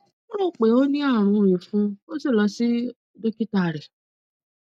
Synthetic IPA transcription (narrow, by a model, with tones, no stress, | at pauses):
o˦ɾo˦˨k͡pe˨o˦nĩ˦a˦˨ɾ̃ũ˧˨i˨fũ˨˦o˦si˦˨lɔ˧si˦ | de˦ki˦ta˦˨ɾe˨